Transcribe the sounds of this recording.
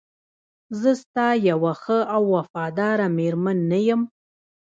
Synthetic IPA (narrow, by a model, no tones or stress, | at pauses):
zəst̪ɑjawaxəawːafɑd̪ɑɾameɾmanːajəm